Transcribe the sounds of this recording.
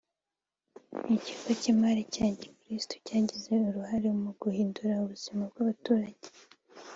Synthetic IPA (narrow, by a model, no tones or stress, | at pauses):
iciɡacimaɾicaːɲɟekɾistʰo̥caːɟize̞uɾuhaɾemuɡuhiːnduɾauβuz̥imabɡaβatuːɾaɟ̥e